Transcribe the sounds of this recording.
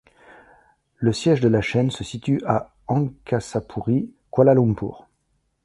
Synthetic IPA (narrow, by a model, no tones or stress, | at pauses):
ləsjɛʒd̪əlaʃɛnsəsit̪yʔa | ɑ̃kasapʰuʁi | kwalalɔ̃mpṵːʁ